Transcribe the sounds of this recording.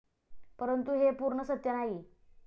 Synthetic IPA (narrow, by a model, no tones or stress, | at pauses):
pəɾənt̪uɦepuɾɳəsət̪jənaɦi